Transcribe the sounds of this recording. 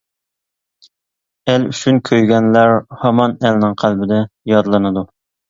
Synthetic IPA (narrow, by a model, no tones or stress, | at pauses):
æly̰t͡ʃʰynkʲʰøjɡʲɛnlæɾhɑmɑnælnɪŋqʰælbɪd̪ɛjɑd̪lˠɨnɨd̪u